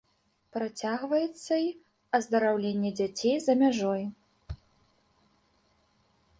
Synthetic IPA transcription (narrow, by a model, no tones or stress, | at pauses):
pɾat͡sʲaɣvɐjɛt̪sːɐi | ɐzd̪ɐɾawlʲenʲːɛd͡zʲat͡sʲejzɐmʲaʐɔj